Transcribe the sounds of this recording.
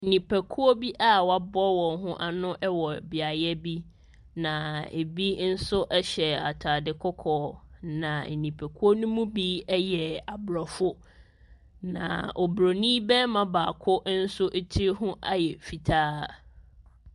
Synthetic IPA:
n̩˨nĩ˨pʰæ˨kʰu˦ɔ˦bi˦ʔa˦wa˨bɔ˦wɔ̃˨ŋɦʊ̃˦ʔa˨nʊ̃˦ʔɛ˦wɔ˨bɪ˨a˨jɛ˦bi˦ | nã˨ḛ˨bi˦n̩˦sʊ˦ʔɛ˦ɕɛ˨a˨tʰaː˨dɪ˨kʰɔ˦kʰɔː˨˦nã˨n̩˨nĩ˨pʰæ˨kʰu˦o˦nũ˦mũ˦bi˦jɛ˨a˨bɾɔ˨fʊ˦ | nã̰˨ɔ˨bɾo˨nĩ˦bɛ̃˦mã˨baː˨kʰʊ˦ʔn̩˦sʊ˦ʔe˦tʰi˦ɦʊ̃˦ʔa˦jɛ˨fi˨tʰaː˦˨

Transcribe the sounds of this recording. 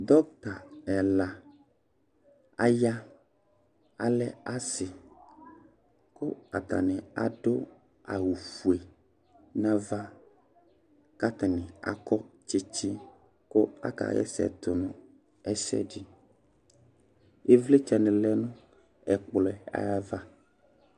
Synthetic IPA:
d̪ɔ˦k̚t̪a˨ɛ˨la˨ | a̰˦ja˦ | a̰˨lɛ˦a˦sɪ˨ | ko˦a˨t̪a̰˨nɛ̃˨a̰˨ɖo˦ | a̰˨wu˨fu˨e˨ | nã˦va˦ | ka˦t̪a˨nĩ˨a̰˨kɔ˦t͡ʃi˦t͡ʃi˦ | ko˦a̰˦ka̰˨jɛ̰˦sɛ̰˨t̪o˨nũ˨ | ɛ˦sɛ̰˦ɖi˦ | e˦vle˦t͡ʃɛ˨nɛ̃˨lɛ˦nũ˦ | ɛ˨k͡plɛ˨a̰˨ja˦va˦

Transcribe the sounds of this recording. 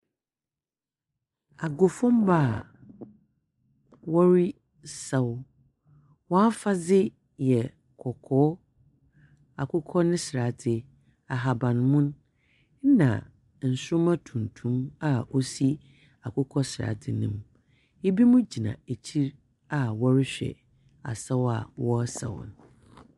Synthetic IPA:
a˨ɡʊ˨fʊ̃˦mbaː˦˨ | wɔ˦ɾi˦ | sa˦w | wɔ̃˦a˦fa˦zɪ˦ | jɛ˨ | kʰɔ˨kʰɔː˨˦ | a˨kʰʊ˦kʰɔ˦nɪ̃˦sɾa˨tʰɪ˨ | a˨ɦa˨bã˨nmʊ̃˦n˦ | nã̰˨ | n̩˨sʊ˦mã˦tʰũ˨n˨tʰũ˦ma˨o˦si˦ | a˨kʊ˦kʰɔ˦sɾa̰˨tʰɪ˨nɪ̃˨m | e˦bi˦mũ˦d͡ʑi˨nã̰˨e˨t͡ɕʰi˦ɾ | a˨wɔ˦ɾɪ˦ɕᶣɛ̰˨ | a̰˨sɛ˦wa̰˨wɔ˦sɛ̰˨wʊ̰˨n

